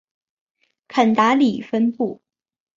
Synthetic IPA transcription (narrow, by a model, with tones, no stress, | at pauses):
kʰə˨˩nt̪a˧˥li˨˩fə˥npu˥˩